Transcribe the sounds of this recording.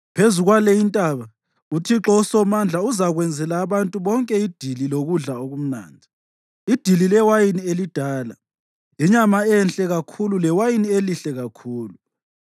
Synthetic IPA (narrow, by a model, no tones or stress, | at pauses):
pʰezuɣwalejintʼaβa | utʰiǁɔusɔmand͡ɮʱauzaɣwɛnd͡zʱɛlaːβantʼuβɔŋkʼɛid̥ʱililoɣuɮaoɣum̩na̰ːndʱi | id̥ʱililɛwajinielid̥ʱaːla̰ | liɲamaɛnɬʼɛɣakʰululɛwajinieliɬɛɣakʰuːlu